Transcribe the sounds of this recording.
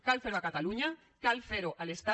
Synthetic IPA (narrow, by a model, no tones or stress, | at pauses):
kalfeɾoakat̪aluɲa | kalfeɾoʔalest̪a